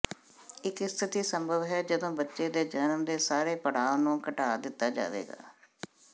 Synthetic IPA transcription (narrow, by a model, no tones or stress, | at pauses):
ɪkɪst̪ʰɪt̪iːsəmbʱəʋɦɛːd͡ʒəd̪õːbətːʃeːd̪eːd͡ʒənmd̪eːsaːɾeːpəɽaːonũːkəʈaːd̪ɪt̪ːaːd͡ʒa̰ːʋḛːɡa̰ː